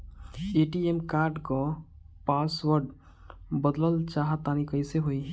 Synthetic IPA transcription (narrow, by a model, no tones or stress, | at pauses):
eʈiemkaɾɖkɔ | paswəɾɖ | bəd̪ləlt͡ʃaɦət̪ːanikəɪseɦoj